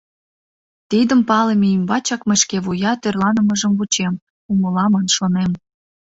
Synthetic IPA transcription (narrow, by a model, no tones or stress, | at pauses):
t̪id̪əmpɑlemeimbɑt͡ɕɑkmeʃkeβujɑt̪ørlɑnə̆məʒəmvut͡ɕem | uməlɑmɑnʃonem